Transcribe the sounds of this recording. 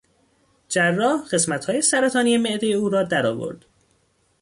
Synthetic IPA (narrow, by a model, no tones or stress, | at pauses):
d͡ʒærːɒːhɢ̥e̞smæt̪hɒːje̞sæɾæt̪ʰɒːnije̞meʔd̪ejeuːɾɒːd̪æɾɒ̰ːvo̞̰ɾd̪̥